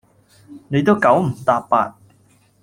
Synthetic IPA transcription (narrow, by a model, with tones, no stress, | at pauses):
ne˨˧jt̪o˥wkɐ˨˥wm̩˨˩t̪aː˧p̚pːaː˧t̚